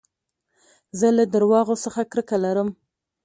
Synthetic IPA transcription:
zəlad̪əɾwɑɣosəxakɾəkalaɾəm

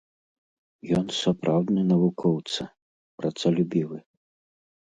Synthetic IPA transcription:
jɔnsapɾʔawd̪nɨnɐvukʰɔwt̪sɐ | pɾat̪salʲubʲiwɨ

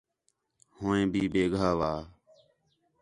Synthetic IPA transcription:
hõːẽːbʱiːbeːɡʱaːʋaː

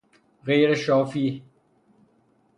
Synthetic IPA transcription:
ɣeːɾeʃɔːfiː

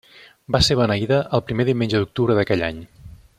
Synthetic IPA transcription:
baseβənəiðəʔəːlˠpɾimeðiwmend͡ʒəðuk̚t̪uβɾəðəkɛʎa̰ɲ

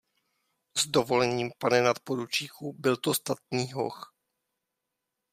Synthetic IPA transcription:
zdovolɛɲiːmpanɛnat̪podut͡ʃiːxubɪlt̪ost̪at̪̚niːɦo̰x

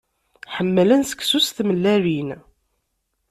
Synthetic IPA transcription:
ħəmːələnsə̥kːsust̪məlːæɾin

